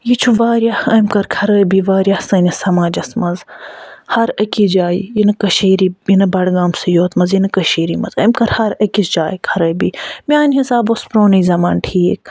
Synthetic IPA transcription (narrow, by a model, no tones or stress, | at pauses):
jit͡ʃʰuʋaːɾjahɐjmkɐɾkʰɐɾəːbiːʋaːɾjahsɐnɐsɐmaːd͡ʒɐsmɐzhɐɾɐkid͡ʒaːijinɨkɐʃeːɾijinɨbɐɽɡaːmsɨjoːt̪mɐzjinɨkɐʃeːɾimɐzɐjmkɐɾhɐɾɐkisd͡ʒaːjkʰɐɾəːjbiːmiaːnɦisaːbospɾoːnizɐmaːnʈʰiːk̚